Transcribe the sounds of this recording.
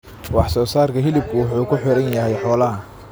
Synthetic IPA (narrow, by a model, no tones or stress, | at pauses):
wɑħsɔːsaːrkʰɐɦɪlɪb̚kʰʊwɑħuːkʰʊħɪɾɐnjɐɦɛjħɔːlɐɦɐ